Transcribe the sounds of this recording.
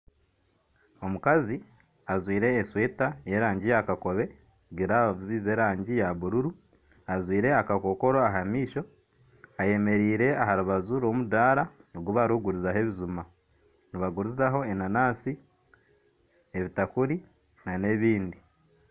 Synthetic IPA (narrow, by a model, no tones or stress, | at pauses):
o̞mukazi | azwiːɾe̞ːsweːtaje̞ɾaːɲɟijakako̞βe̞ | ɡiɾaziːze̞ːɾaːɲɟijaβuɾuɾu | azwiːɾe̞akako̞ko̞ɾoaɦamiːʃo̞ | aje̞me̞ɾiːɾe̞aɦaɾuβazuɾo̞mudaːɾaoɡuβaɾuɡuɾuzaɦe̞βizuma | niβaɡuɾuzaɦo̞enanaːsi | e̞βitakuɾi | nane̞βiːndi